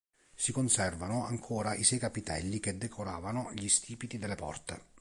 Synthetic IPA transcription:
sikonsɛrvanʊa̰ŋkʰoːɾaʔisɛjkapit̪ɛ̰lːiked̪ːekʰoɾaːvanʊʎist̪ʰiːpit̪id̪elːepɔ̰rt̪ḛ

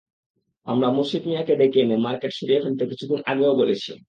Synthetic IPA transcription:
amɾamoʃid̪mijaked̪ekenemaɾkeʈʃoɾiekʰont̪ekit͡ɕʰuɡunʔa̰ɡeokoɾet͡ɕʰi

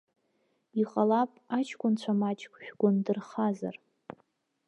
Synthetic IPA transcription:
iqʼalapʼat͡ʃʰɡʷʼʊnt͡ɕʷʰamat͡ʃʼkʷʰʼʃᶣɡʷʊndɨrχaza̰r

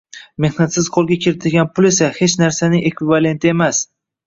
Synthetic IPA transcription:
me̞hnat̪sɪzqʰolˠɡʲakʲʰɪɾɪt̪ʰɪlɡʲanpʊle̞sahe̞t͡ʃnaɾsanɪŋʔe̞kvɪvale̞nt̪ʰɪe̞mas

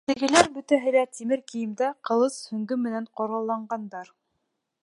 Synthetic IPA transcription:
t̪ɘ̆ɡɘ̆læɾbɵ̆t̪æɦɘ̆læt̪imɘɾkĭjɘ̆md̪æqɤ̆lˠɤshɵ̆ŋɡɘmɘ̆næɴqŏɾʁɑlˠːɑɴɢɑnd̪ɑɾ

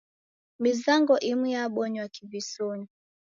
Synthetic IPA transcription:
mizaŋɡɔʔimijaɓɔɲwakivisɔɲɔ

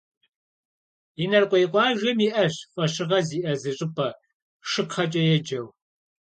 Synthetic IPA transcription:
inɐrqʷʼɔjqʷʼɑːʒɐmiːʔɐɕfʷʼɐʃɪʁɐziːʔɐzɨɕʼɪpʰʼɐ | ʂɨkχɐt͡ʃʼɐjɛd͡ʒɐw

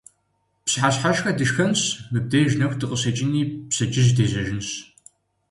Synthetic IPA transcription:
psħaɕħaʃxɐdɨʃxɐmɕmɨb̚deːʒnɐxʷdɨqʼəsɐt͡ʃʼɪniːpsɐt͡ʃʼɪʑdeːzɐʒɪnɕ

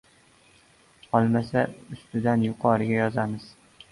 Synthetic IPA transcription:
qɒlˠmasaʊst̪ɪd̪anjʊqʰɒɾɪɡʲajɒzamɪz̥

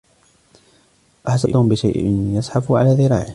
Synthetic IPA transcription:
ʔaħsaʔmbɪʃajʔɪ̰njasˤħafʕa̰laːðɪɾa̰ːʕɪ

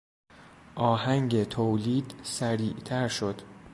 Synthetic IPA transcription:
ʔɒːhæŋɟet̪ʰoːliːd̪sæɾiːʔt̪ʰæɾʃod̪̥

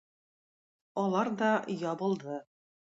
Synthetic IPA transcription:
ɒlˠɑɾd̪ɒjɒbɤ̆lˠd̪ɤ

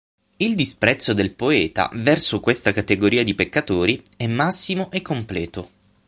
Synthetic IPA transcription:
ild̪ispɾɛt̪sːod̪elpoɛːt̪a̰vɛrsokwest̪akat̪eɡoɾiːad̪ipekːat̪oːɾiɛmːasːimoʔekːomplɛːt̪o

